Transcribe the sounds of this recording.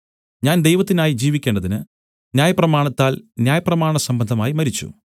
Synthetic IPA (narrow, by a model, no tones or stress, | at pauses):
ɲaːnd̪ejʋɐt̪ːinaːjid͡ʑiːʋikʲːe̞ːɳɖɐðinɨ | njaːjɐprɐmaːɳɐt̪ːaːlnjaːjɐprɐmaːɳɐsɐmbɐnd̪ʱɐmaːjimɐɾit͡ɕːṵ